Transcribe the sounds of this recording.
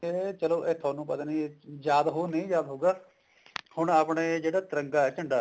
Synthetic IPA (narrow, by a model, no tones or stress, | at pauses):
et͡ʃəloːʔeːt̪ʰaːnũːpət̪ãːniːjaːd̪ɦoːnẽːjaːd̪ɦoːɡaː | hʊɳaːpɳeːd͡ʒeːɽaːt̪ɪɾəŋɡaːɛːt͡ʃəɳɖaː